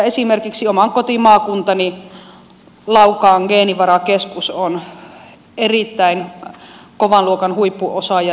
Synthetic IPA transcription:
esimerkiksiomɑŋkot̪imɑːkunt̪ɑni | lɑukɑːŋɡeːniʋɑrɑkeskuson | erit̪ːæin | koʋɑnluokɑnhuipːuʔosɑjɑ

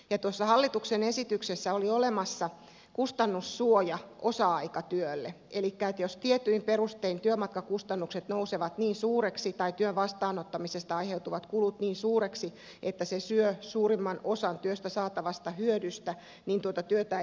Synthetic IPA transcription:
jɑt̪uosːɑhɑlːit̪uksenesit̪yksesːæoliolemɑsːɑ | kust̪ɑnːusːuojɑʔosɑɑikɑt̪yølːe | elikːæet̪jost̪iet̪ːyimperust̪eint̪yømɑt̪̚kɑkust̪ɑnːukset̪nouseʋɑt̪niːnsuːreksit̪ɑit̪yøʋʋɑst̪ɑːnot̪ːɑmisest̪ɑɑiheut̪uʋɑt̪kulut̪niːnsuːɾeksi | et̪ːæsesyøsuːrimːɑnosɑnt̪yøst̪æsɑːt̪ɑʋɑst̪ɑhyødyst̪æ | nint̪uot̪ɑt̪yøt̪æ

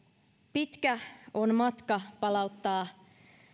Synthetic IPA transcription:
pit̪kæonmɑt̪kɑpɑlɑut̪ːɑː

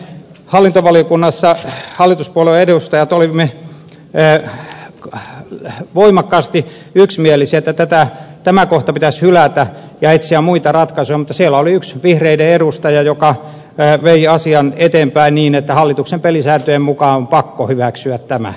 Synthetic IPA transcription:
hɑlːint̪oʋɑliokunːɑsːɑhɑlːˑit̪uspuoleeɾust̪ɑjɑt̪olimeː | ʋoimɑkːɑːst̪i | yksmielisæet̪ːæt̪æt̪æt̪æmækoht̪ɑpit̪æshylæt̪æ | jɑet̪siæmmuit̪ɑrɑt̪kɑsujɑmut̪ːˑɑsielːæoliyksʋihreideeɾust̪ɑjɑjokɑ | ʋeiɑsiɑnet̪eːmpæinniːnet̪ːæhɑlːit̪uksempelisæːt̪øjemmukɑːompɑkːohyʋæksyæt̪tæmæ̰

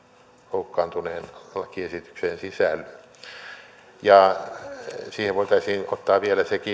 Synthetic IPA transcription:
houkːɑːnt̪uneːnɑlɑkiesit̪y̥ksensisælː | jɑ | siːheʋoit̪ɑisʲiːnot̪ːɑːʋielæseki

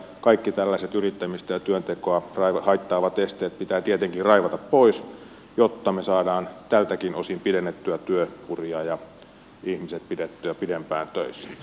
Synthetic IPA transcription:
kɑikːit̪ælːæiset̪yrit̪ːæmist̪æjɑt̪yønt̪ekoɑrɑiʋɑhɑit̪ːɑːʋɑt̪est̪eːt̪̚pit̪æːt̪iet̪eŋkirɑiʋɑt̪ɑppois | jot̪ːɑmesɑːdɑːnt̪ælt̪ækinosimpidenːet̪ːyæt̪yøpuriɑjɑ | ihmiset̪̚pidet̪ːyæpidempæːnt̪øisːæ̥

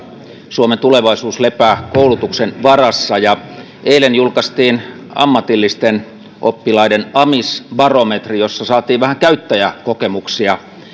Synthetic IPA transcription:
suoment̪uleʋɑisuːslepæːkoulut̪uksenʋɑrɑsːɑjɑ | ʔeilenjulkɑst̪iːn | ɑ̰mːɑt̪ilːist̪en | ʔo̰pːilɑidenɑmisbɑromet̪rijosːɑsɑːt̪iːʋʋæhæŋkæyt̪ːæjækokemuksiɑ

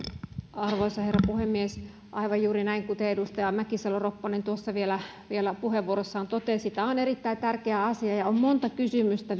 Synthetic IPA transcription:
ɑrʋoisɑherːɑpuhemːies | ʔɑiʋɑjjuːɾinæiŋkut̪eedust̪ɑjɑmækisɑloropːɑnent̪uosːɑʋielæ | ʋielæpuheʋʋuoɾosːɑːnt̪ot̪esit̪æoneɾit̪ːæit̪ærkeæɑsiɑjɑommont̪ɑkysymyst̪æ

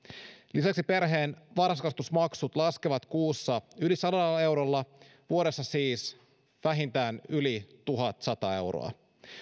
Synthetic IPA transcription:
lisæksipe̞rɦe̞ːnʋɑrskɑst̪usmɑksut̪lɑskeʋɑt̪kuːsːɑylisɑlɑlːɑe̞wɾolːɑ | ʋuo̞ɾe̞sːɑsiːs | ʋæɦint̪æːnylit̪uɦɑt̪sɑt̪ɑe̞̰wɾo̰ɑ̰

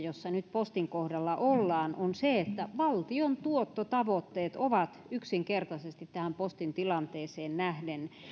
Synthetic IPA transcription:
josːɑnyt̪̚post̪iŋkohdɑlːɑʔolːɑːnʔonseet̪ːæʋɑlt̪iont̪uot̪ːot̪ɑʋot̪ːeːt̪oʋɑt̪yksiŋkert̪ɑsest̪it̪t̪æhæmpost̪int̪ilɑnt̪eːseːnnæhden

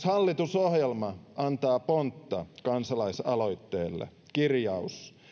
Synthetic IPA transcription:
shɑlːit̪usohjelmɑʔɑnt̪ɑːpont̪ːɑkɑnsɑlɑisɑ̰loit̪ːeːlːḛ | kirjɑus

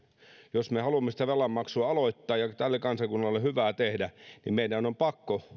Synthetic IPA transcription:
josmehɑlumːesi̥t̪æʋelːˑɑmmɑksuɑɑloit̪ːɑːjɑt̪ælːekɑnsɑkunːɑlːehyʋæːt̪ehdænḭmmeidænompɑkːo

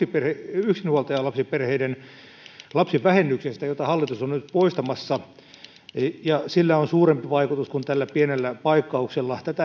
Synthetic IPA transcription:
iperheyksinhuolt̪ɑjɑlɑpsiperheiden | lɑpsiʋʋæhenːyksest̪æjot̪ɑhɑlːit̪usonnyt̪poist̪ɑmɑsːɑ | jɑsilːæonsuːrempiʋɑikut̪uskunt̪ælːæpienelːæpɑikːɑukselːɑt̪æt̪æ

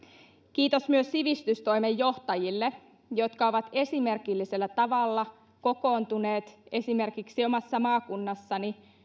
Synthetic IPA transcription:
kiːt̪o̞smyøsːiʋist̪yst̪o̞jmejːo̞ht̪ɑjilːe | jo̞t̪kɑo̞ʋɑt̪e̞sime̞rkilːiselːæt̪ɑʋɑlːɑ | ko̞ko̞ːnt̪une̞ːt̪e̞sime̞rkiksio̞mɑsːɑmɑːkunːɑsːɑni

